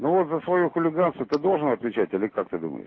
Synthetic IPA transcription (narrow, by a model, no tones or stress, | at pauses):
novot̪zəsvɐjuxʊlʲɪɡanst̪vət̪ɨd̪o̞lˠʐɨnɐt̪vʲɪt͡ɕætʲɪlʲɪkak̚t̪ɨd̪ṵmə̰jɪ̰ʂ